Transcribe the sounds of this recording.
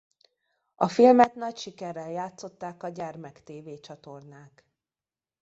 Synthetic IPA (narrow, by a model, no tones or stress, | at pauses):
ɒfilmɛt̪nɒcʃikɛrːɛljaːt̪so̞t̪ːaːkɒɟɛrmɛkt̪eːveːt͡ʃɒt̪o̞rnaːk